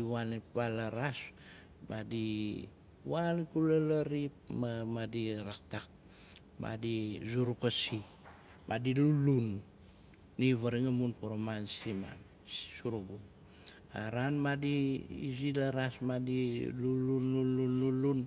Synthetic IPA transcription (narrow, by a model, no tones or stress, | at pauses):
iwanebalaɾas | madi | wankulalaɾip̚mamadiɾak̚tak̚ | ma̰dizuɾukasi | mʔadilulunː | iβaɾiŋamunpoɾomansima̰n | ssuɾuɡum | aɾanmadiḭzilaɾasmadilulunlunlunlulun